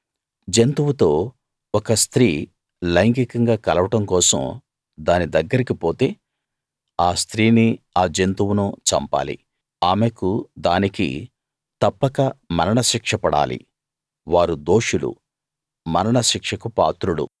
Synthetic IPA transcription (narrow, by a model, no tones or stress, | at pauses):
d͡ʒent̪uwut̪o̞ː | ɔkɐst̪ɾiː | lɐjɐŋkikɐŋɡaːkɐlɐʋɐʈɐmkɔːsɐ̰m | d̪aːnid̪ɐɡːɐɾikipo̞ːt̪e̞ː | aːst̪ɾiːni | aːd͡ʒent̪uwunuːt͡ʃɐ̰mpa̰ːlḭ | aːmekud̪aːnikḭ | t̪ɐpːɐkɐmɐɾɐɳɐʃikʂɐpɐɽa̰ːlḭ | ʋaːɾud̪o̞ːʂulṵ | mɐɾɐɳɐʃikʂɐkupaːt̪ɾulṵ